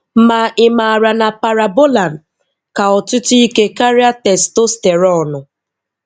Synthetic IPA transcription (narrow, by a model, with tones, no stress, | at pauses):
ma˨ʔɪ˦ma˨a˨ɾa˨na˨pa˨ɾa˨bo˦la˨n˨ | ka˨ɔ˨tʊ˦tʊ˦i˦ke˦ka˦ɾi˦a˦tɛ˨sto˦ste˨ɾɔ˦˨nʊ˨